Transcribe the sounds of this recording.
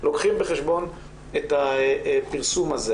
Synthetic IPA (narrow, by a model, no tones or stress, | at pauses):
lokχimbeχeʃbo̞n | etapiʁsumaze